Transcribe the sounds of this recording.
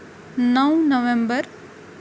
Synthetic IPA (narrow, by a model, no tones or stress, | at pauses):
nəwnəʋẽmbəɾ